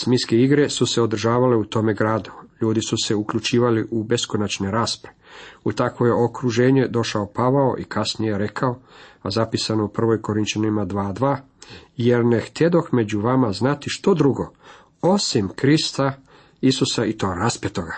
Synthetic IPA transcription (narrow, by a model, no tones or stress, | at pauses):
smiskeiɡɾe̞suse̞o̞d̪ɾ̩ʒaːʋale̞ut̪o̞me̞ɡɾaːd̪uʎuːd̪isuse̞ukʎut͡ʃiːʋaliʔube̞skonat͡ʃne̞ɾaːspɾaeut̪akʋoje̞o̞kɾuʒe̞ːɲe̞d̪o̞ʃaopaʋao̞ʔikʰasnijeɾe̞kʰao̞azapisano̞upr̩ʋo̞jko̞ɾint͡ɕanimad̪ʋaːd̪ʋaː | jeɾnext̪ed̪o̞xme̞d͡ʑuʋamaznat̪iʃt̪o̞d̪ɾuɡo̞ | o̞simkɾist̪a | isusait̪o̞ːɾaspet̪oɡa